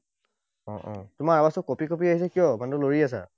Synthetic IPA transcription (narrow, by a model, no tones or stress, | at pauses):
ɔ̰̃ʔɔ̰̃tʊmaɹabasɔkopikopiaɦisɛkijɔmantʊloɹias̬a̰